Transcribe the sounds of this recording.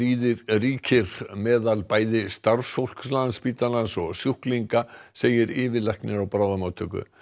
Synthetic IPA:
iːðɪɾriːcʰɪɾ̥mɛːðalpaːjðɪst̪aɾ̥sfowl̥kslanspiːt̪alansɔɣsjuhkliŋkaseːjɪɾɪːvɪlɛhknɪɾawpɾaːwðamaːwt̪ʰœkʏ̰

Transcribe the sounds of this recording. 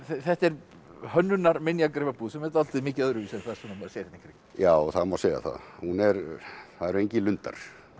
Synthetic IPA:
θɛθɛht̪ɛɾ | hœnːʏnːaɾmɪnjakɾɛːvapuːðsɛmɛt̪alt̪ɪðmɪːcɪaðɾʏviːsɛnθaðɾ̥sɛnamaːðsejθɛ̥t̪nɪ̥ŋkɾicjaːwθaðmaseːjɣa̰θa̰ðhunɛɾθaðɛɾejɲcɪlʏnt̪a̰ɾ̥

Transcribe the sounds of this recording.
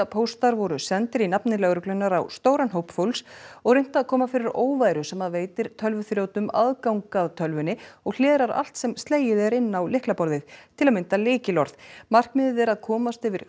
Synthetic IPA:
pʰowst̪aɾvɔɾʏsɛnt̪ɪɾinapnɪlɛɣɾʏklʏnːaɾa̰wst̪oːwɾanɦowpfowlsɔɣrejn̥t̪aðkʰɔːmafɪɾɪɾoːwvaːjɾʏsɛmaðveːjt̪ɪɾ̥t̪ʰœlvʏθɾjoːwt̪ʏma̰ðkawŋkaðt̪ʰœlvʏnːɪɔɣl̥ɛːðɾaɾa̰l̥t̪sɛmst̪leːjɪðɛɾɪnːawlɪhklapɔɾðɪðt̪ʰɪlaðmɪnt̪alɪːcɪlɔɾθmar̥kmɪðɪðɛɾaðkʰɔːmast̪ɪvɪɾ̥

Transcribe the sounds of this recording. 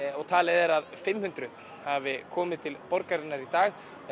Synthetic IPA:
ɔɣt̪ʰaːlɛɣðɛɾaðfɪmhʏnt̪ɾʏð̥ | havɪkʰɔːmɪðt̪ʰɪlpɔɾkaɾɪnːaɾit̪aːɣ

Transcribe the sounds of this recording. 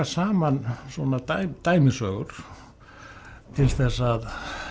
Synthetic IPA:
asaːmansɔnat̪at̪aːjmɪsœːɣʏɾ̥ | t̪ʰɪlsθɛsːað

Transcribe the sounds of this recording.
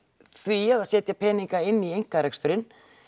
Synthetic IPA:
θviaðaðsɛːt̪japʰɛːniŋkaɪnːiejŋkaɾɛkst̪ʏɾɪn

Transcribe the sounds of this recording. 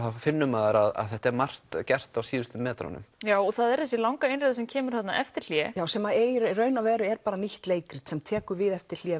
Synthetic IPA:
θafɪnːʏmaːðaɾaða̰ðθɛht̪aɛɾmar̥t̪cɛr̥t̪awsiːðʏst̪ʏmːɛːt̪ɾɔ̰nʏ̰mjaːwɔθaðɛɾθɛsɪlawŋkaejnreːðasɛmcʰɛːmʏɾ̥θat̪naʔɛft̪ɪɾ̥l̥jɛɛjaːwsɛmaejɾrœɥnavɛːɾʏɛɾpaːɾaniht̪leːjkɾɪ̥t̪sɛmt̪ʰɛːkʏɾvɪðɛft̪ɪɾ̥l̥jɛ

